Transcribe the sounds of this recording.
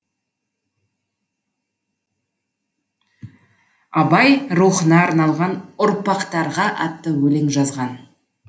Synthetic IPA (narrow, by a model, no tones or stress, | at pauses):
ɑbɑjɾuχənɑːɾnɑlˠʁɑnʊɾpɑqt̪ɑɾʁɑʔɑ̰t̪ːəwɵleŋʒɑzʁɑn